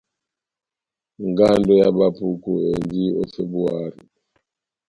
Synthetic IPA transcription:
ŋɡa˦ndɔ˦ja˦ba˦pu˦ku˨e˨nd͡ʒi˦ɔ˦se˦bu˦a˦ɾi˨

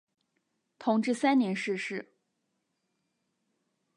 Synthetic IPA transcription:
t̪ʰʊ˧˥ŋʈ͡ʂɻ̩˥˩sa˥nnjɛ˧˥nʂɻ̩˥˧ʂɻ̩˥˩

